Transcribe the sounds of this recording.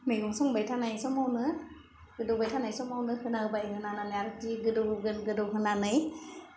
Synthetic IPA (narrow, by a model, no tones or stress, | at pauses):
meɡuŋsɔŋbajtʰanajsɔmawnɯ | ɡɯdɯwbajtʰanajsɔmawnɯhɯnaɯbajhɯnananɯjaɾɯtiɡɯdɯɡɯnɡɯdɯwɦɯnanɯj